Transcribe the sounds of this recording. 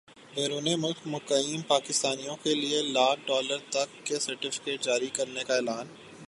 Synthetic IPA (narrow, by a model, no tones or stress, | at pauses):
beːɾuːnemʊlkmʊkəjjiːmpaːkɪst̪aːnijõkelielaːʈɖɔːləɾt̪ɐkːesɐɾʈɪfɪ̥keːʈ̚d͡ʒaːɾikɐɾnekaɛːlaːn